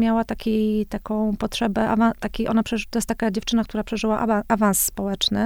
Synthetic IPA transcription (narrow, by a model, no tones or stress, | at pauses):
mʲjawat̪akʲijt̪akɔ̃w̃pɔtʂɛbɛʔa̰vãt̪akʲiʔɔnapʂɛt̪ɔjɛst̪akad͡ʑeft͡ʂɘnakt̪uɾapʂɛʐɘwaʔaʔavañsːpɔwɛt͡ʂnɘ